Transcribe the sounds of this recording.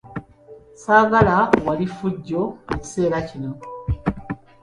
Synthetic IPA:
saːɡalawalifuɟːoeci̥se̞ːɾacino

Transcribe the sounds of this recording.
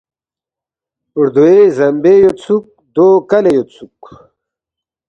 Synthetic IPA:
uɾd̪uezɐmbejot͡sʰuk̚d̪okɐlejot͡sʰuk

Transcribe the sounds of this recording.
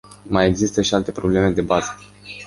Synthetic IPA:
majeɡzist̪əʃialt̪e̞pɾo̞ble̞me̞d̪e̞bazə̥

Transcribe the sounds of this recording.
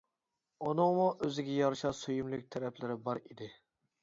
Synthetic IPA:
onɨŋmuʔøzɪɡʲɛjɑɾʃɑsojumlɪkʲt̪ʰɛɾɛpʰlɪɾɪbɑɾid̪ɪ

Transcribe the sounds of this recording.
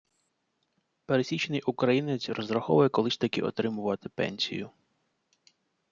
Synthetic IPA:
peɾesʲit͡ʃnɪjʔʊkɾɐjinɪsʲrɔzɾɐxɔ̰ʋʊjɛkɔlˠɪsʲt̪ɐkɪ̰ʔɔ̰t̪ɾɪmʊʋɐt̪ɪpɛ̰nʲsʲḭjʊ

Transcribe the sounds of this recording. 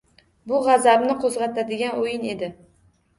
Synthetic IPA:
bʊʁɑzabnɪqʰozʁɑt̪ʰad̪ɪɡʲanojɪne̞d̪ɪ

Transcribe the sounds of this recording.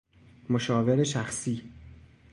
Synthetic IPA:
moʃɒːve̞ɾeʃæxsiː

